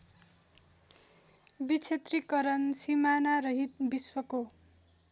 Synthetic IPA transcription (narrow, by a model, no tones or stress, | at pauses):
bit͡sʰet̪rikʌɾʌnsimanaɾʌɦit̪̚biswʌko